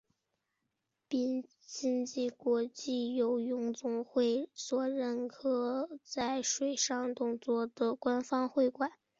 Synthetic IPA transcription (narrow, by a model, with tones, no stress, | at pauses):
pi˥˩n | t͡ɕi˥ŋt͡ɕi˥˩kwɔ˧˥t͡ɕi˥˩jo˧˥ʊjʊ˧˥ŋt͡sʊ˧˥ŋxwe˥˩ɪswɔ˨˩ɻə˧˥nkʰɤ˧˥t͡sa˥˩ɪʂwe˨˩ɪʂɑ˥˧ŋt̪ʊ˥˧ŋt͡swɔ˥˩d̪ə˩kwa˥nfɑ˥ŋxwe˥˩ɪkwa˨˩˦n